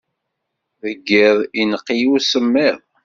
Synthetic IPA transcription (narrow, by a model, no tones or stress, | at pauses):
ðəɡːɪðˤinəqːijusəmːɪðˤ